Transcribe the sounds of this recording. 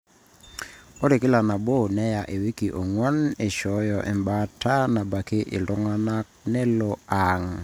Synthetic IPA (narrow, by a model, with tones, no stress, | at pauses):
o˦ɾi˨kɪ˦la˨na˨bo˦nɛ˦ja˨ʔe˨wi˦ki˨ʔo˨ŋwa˦ne˨ʃɔ˨˦jɔ˨ʔɛ̰˨mba˦tʰa˦na˨ba˨ke˦ʔɪ̰˨lɔ˦ŋa˦na˦k̚nɛ˦lɔa˨ŋ